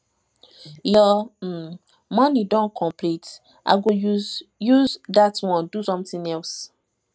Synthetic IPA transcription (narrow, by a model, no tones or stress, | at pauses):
lɔ | mɔnidɔ̃nkʰɔ̃mpʰlit | ʔa̰ɪɡojuzðatwɔ̃ndusɔ̃mθĩŋɛls